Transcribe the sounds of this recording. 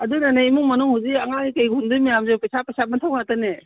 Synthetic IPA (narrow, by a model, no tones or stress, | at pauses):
ɐdunanaimuŋmɐnuŋɦawziɐŋakajɡʱundumijamzepesapejsamantʰawatane